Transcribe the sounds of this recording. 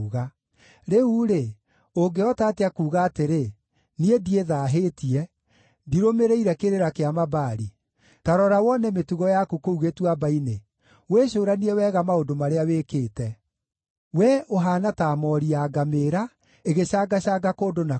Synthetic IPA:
ɣa | ɾeuɾe | oŋɡeɔtaːteakuːɣaːteɾe | niedieðaːɦetiɛ | diɾomeɾeiɾɛkeɾeɾakeamabaɾi | taɾɔɾawɔnɛmetuɣɔjakukouɣetwabaine | weɕoːɾaniɛwɛɣamaodomaɾeaweːkeːtɛ | wɛʔoɦaːnataːmɔɾiaɡameɾa | eɣeɕaːɡaɕaɡakoːdona

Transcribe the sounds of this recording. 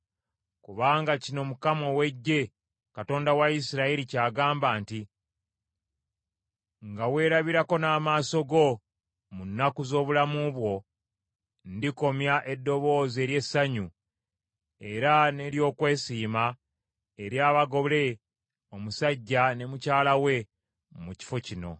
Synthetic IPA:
kuβaːŋɡacino̞mukamo̞we̞ɟːe̞ | kato̞ːndawaisiɾaiɾicaːɡaːmbaːnti | ŋɡawe̞ːɾaβiɾako̞naːmaːso̞ɡo̞ | munːakuzo̞ːβulamuβwo̞ | ndiko̞mjaʔe̞dːo̞βo̞ːze̞ːɾje̞sːaɲu | e̞ɾane̞ːɾjo̞ːkwe̞ːsiːma | e̞ɾjaːβaɡo̞βle̞ | o̞musaɟːane̞mucaːlawe̞ | muci̥fo̞cino̞̰

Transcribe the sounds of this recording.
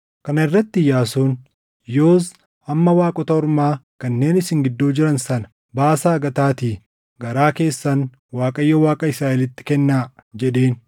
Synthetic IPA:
kɐnɐɪrːɐt̪ːɪjaːsuːn | jo̞ːs | ɐmːɐwaːkʼɔt̪ɐɔɾmaːkɐnːe̞ːnɪsɪŋɡɪd̪ːoːd͡ʒɪɾɐnsɐnɐ̥ | baːsaːɡɐt̪aːt̪iː | ɡɐɾaːke̞ːsːɐn | waːkʼɐjːɔwaːkʼɐɪsɾaːʔɛlɪt̪ːɪ̥kɛnːaːd͡ʒɛᶑe̞ːn

